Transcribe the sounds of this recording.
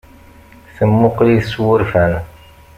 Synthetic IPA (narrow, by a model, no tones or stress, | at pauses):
θəmːʊqliθswʊɾfæn